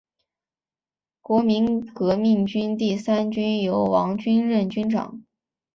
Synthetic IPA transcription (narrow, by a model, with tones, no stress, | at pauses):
kwɔ˧˥mi˧˥nkɤ˧˥mi˥˩ŋt͡ɕy˥nt̪̬i˥˩sa˥nt͡ɕy˥njo˧˥ʊwɑ˧˥ŋt͡ɕy˥nɻə˥˩nt͡ɕy˥nʈ͡ʂɑ̰˨˩˦ŋ